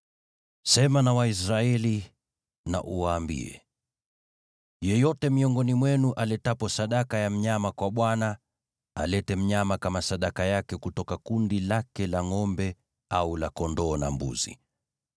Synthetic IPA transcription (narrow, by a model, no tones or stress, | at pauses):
sɛmanawaisɾaɛli | na̰ʔuwaːmbḭɛ̰ | jɛjɔtɛmiɔŋɡɔnimwɛnuʔalɛtapɔsaɗakajam̩ɲamakwaɓwana | a̰lɛtɛm̩ɲamakamasaɗakajakɛkutɔkakundilakɛlaŋɔmbɛ | aulakɔndɔːna̰mbṵzḭ